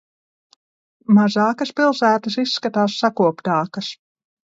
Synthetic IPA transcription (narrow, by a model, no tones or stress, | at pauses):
mazaːkɐspilˠsæːt̪ɐs̬isːkat̪aːsːakuɔpt̪aːkɐs